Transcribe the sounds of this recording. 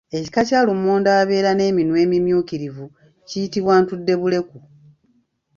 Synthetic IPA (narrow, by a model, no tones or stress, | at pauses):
e̞ci̥kacaːlumoːndaːβe̞ːɾane̞ːminwe̞ːmimjuːkiɾivu | cijitiβwaːntudːe̞βule̞ku